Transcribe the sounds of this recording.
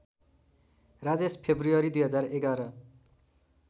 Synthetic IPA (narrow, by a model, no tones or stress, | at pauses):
rad͡zespʰebruʌɾid̪ujɦʌd͡zareɡaɾʌ